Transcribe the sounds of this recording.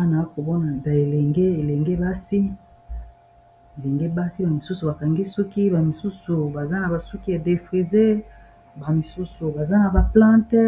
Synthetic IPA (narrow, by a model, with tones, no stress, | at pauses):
a˦na˨a˦ko˨bɔ˦na˨ba˨e˨lɛ˨ŋɡe˦e˨le˨ŋɡe˦ba˦si˦ | e˨le˨ŋɡe˦ba˦si˦ba˨mi˨su˦su˨ba˨ka˨ŋɡi˦su˦ki˦ba˨mi˨su˦su˨ba˨za˦na˨ba˨su˦ki˦e˨de˨fʁi˨ze˦ | ba˨mi˨su˦su˨ba˨za˦na˨ba˨plã˦tɛ˦